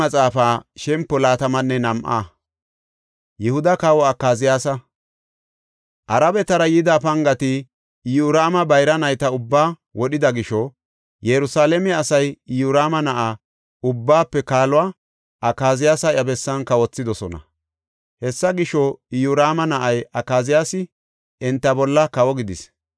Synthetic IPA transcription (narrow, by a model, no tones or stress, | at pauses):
ɐt͡sʼaːfaːʃɛmpːɔlaːt̪ɐmɐnːɛnɐmʔa̰ | jɛhʊd̪ɐkaːwɔɐkːaːzɪjaːsɐ | ʔɐɾɐbɛt̪ɐɾɐjɪd̪aːpɐŋɡɐt̪ɪ | juɾaːmɐbɐjɾɐnɐjt̪ɐʊbːaː | wɔɗɪd̪ɐɡɪʃɔ | jɛɾʊsaːlɛmɛɐsɐjjuɾaːmɐnɐʔaː | ʊbːaːpːɛkaːlʊwaː | ʔɐkːaːzɪjaːsɐʔjɐbɛsːɐnkɐwɔt͡sːɪd̪ɔsɔnɐ̰ | hɛsːɐɡɪʃɔɪjuɾaːmɐnɐʔɐjʔɐkːaːzɪjaːsɪ | ɪnt̪ːɐbɔlːɐkɐwɔɡɪd̪ɪs